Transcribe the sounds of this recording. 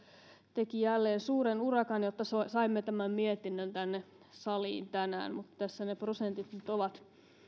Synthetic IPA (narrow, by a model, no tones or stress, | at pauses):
t̪ekijælːeːnsuːɾenurɑkɑnjot̪ːɑsosɑimːet̪æmæmmiet̪inːønt̪ænːe | sɑlḭːnt̪ænæ̰ːnmut̪t̪æsːæneprosent̪it̪nyt̪oʋɑt̪